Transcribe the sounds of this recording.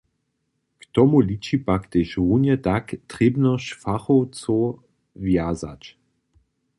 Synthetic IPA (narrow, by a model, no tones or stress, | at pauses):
kt̪ɔmulit͡ʃipakt̪eʃʁunjɛt̪akt̪ʁebnɔʃfaχowt͡so | vjazat͡ʃ